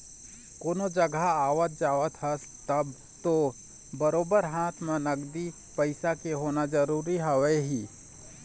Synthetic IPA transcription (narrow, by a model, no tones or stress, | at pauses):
koːnod͡ʒəɡʱaaːʋət̪̚d͡ʒaːət̪ʰɦəs | t̪əb | t̪o | bəɾoːbəɾɦãːt̪ʰmenəɡd̪i | pəɪsakeɦoːnad͡ʒəɾuːɾiɦəʋɛɦiː